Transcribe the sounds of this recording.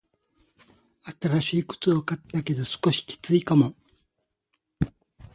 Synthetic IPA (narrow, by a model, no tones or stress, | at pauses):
at̪aɾaɕiːkɯ̥t͡sɨokat̪ːake̞d̪o̞sɨ̥ko̞ɕi̥kʲi̥t͡sɨikamo̞